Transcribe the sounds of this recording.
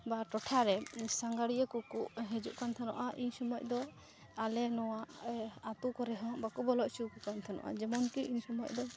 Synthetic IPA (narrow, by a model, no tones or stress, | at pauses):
baʈɔʈʰaɾɛsaŋɡaɽijəkukuʔɦɛd͡ʒuʔkant̪ʰanɔ̰ʔaʔiɲsɔmɔʔ̚ˀd̪ɔ | alɛnɔwaʔat̪ukɔɾɛɦɔ̃ʔbakubɔlɔʔsiwkɔkant̪ʰanɔ̰ʔa̰d͡ʒɛmɔnkiiɲsɔmɔc̚d̪ɔ